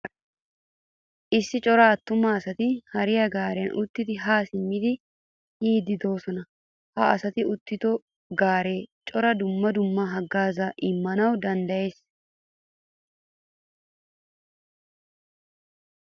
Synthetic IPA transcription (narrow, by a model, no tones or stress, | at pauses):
ʔɪsːɪt͡ʃʼɔɾaːt̪ːʊmːɐːsɐt̪ɪhɐɾɪjɐɡaːɾɛjɐnʔʊt̪ːɪd̪ɪɦaːsɪmːɪd̪ɪ | hiːd̪ɪd̪o̞ːsɔnɐ | hɐʔɐsɐt̪ɪʊt̪ːɪt̪ɔ | ɡaːɾe̞ːt͡ʃʼɔɾɐd̪ʊmːɐd̪ʊmːɐɦɐɡːaːzɐʔɪmːɐnɐwd̪ɐnd̪ɐje̞ːs